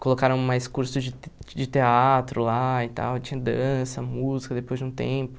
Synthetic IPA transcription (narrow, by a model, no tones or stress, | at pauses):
kolokaɾɐ̃majskuɾsʊd͡ʒɪd͡ʒɪt̪eat̪ɾʊlaɪt̪a̰wt͡ʃĩɲɐd̪ɐ̃sɐmuzikɐd̪epojzd͡ʒɪũt̪ḛ̃pʊ̥